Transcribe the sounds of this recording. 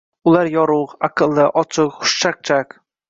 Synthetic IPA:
ʊlaɾjɒɾʊqaqʰɨlˠːɪʔɒt͡ʃʰɪqχʊ̥ʃt͡ʃaq̚t͡ʃʰak

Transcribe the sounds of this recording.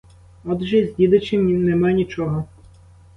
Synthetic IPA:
ɔd̪ʒɛzʲdʲid̪ɐt͡ʃɪminɛmanʲit͡ʃɔɦɔ

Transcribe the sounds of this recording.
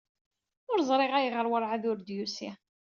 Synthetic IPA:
ʊɾzˤɾˤeʁæjəʁəɾwəɾˤʕaðʊɾd̪jusi

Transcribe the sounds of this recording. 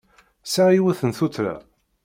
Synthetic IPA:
saiwæθənθut̪ɾa̰

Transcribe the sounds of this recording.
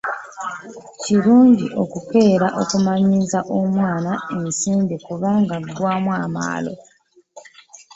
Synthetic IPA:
ciɾuːɲɟiʔo̞kuke̞ːɾaʔo̞̰kumaɲizaʔomwaːnae̞nsiːmbikuβaːŋɡaɡwaːmwaːma̰ːlo̞̰

